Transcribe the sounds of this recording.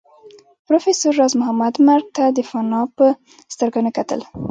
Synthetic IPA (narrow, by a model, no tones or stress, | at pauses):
pɾofesʊɾːɑzmʊɦamad̪maɾ̚t̪ad̪əfanɑpə | st̪əɾɡanekat̪ə̰l